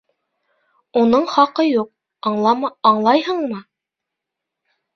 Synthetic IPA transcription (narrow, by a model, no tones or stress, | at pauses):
unɤɴχɑqɤjuq̪̚ˠ | ɑːɴlˠɑjhɤɴmɤ